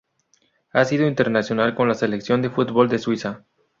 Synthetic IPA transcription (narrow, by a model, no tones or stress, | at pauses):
asið̞oint̪e̞ɾnasjo̞nalko̞nlase̞leksjo̞nd̪e̞fut̪bold̪e̞swisa